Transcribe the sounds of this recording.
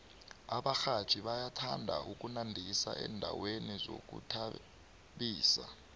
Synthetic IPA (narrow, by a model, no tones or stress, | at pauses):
aɓaxḁt͡ʃʼiɓajatʰandʱa̰ʔuk̬ʼunandʱisa̰ʔɛndʱawenizo̰k̬ṵtʰa | ɓiːsa